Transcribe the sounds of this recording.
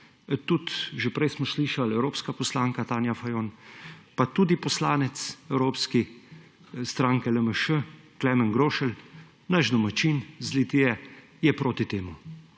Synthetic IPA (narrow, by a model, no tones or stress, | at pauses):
t̪ut̪ʒepɾɛjsmɔsliːʃalɛwɾoːpskapɔslaːŋkat̪aːnjafajoːnpat̪uːd̪ipɔslaːnɛt̪sɛwɾoːpski | st̪ɾaːŋkɛləməʃəklɛːmɛnɡɾoːʃəl | naʒd̪ɔmat͡ʃinzlit̪ijɛ | jɛpɾoːt̪it̪eːmu